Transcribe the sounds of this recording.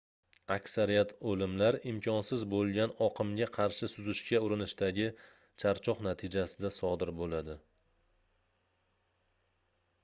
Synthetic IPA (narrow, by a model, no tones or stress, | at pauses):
akʲsaɾijat̪ʰolɪmlaɾɪmkʲʰɒnsɪzbolˠɡʲanɒqʰɨmɡʲaqʰɑɾʃɪsʊzɪʃkʲaʊɾɪnɪʃt̪aɡʲɪ | t͡ʃʰaɾt͡ʃʰɒqnat̪ʰɪd͡ʒasɪd̪asɒd̪ɪɾbolad̪ɪ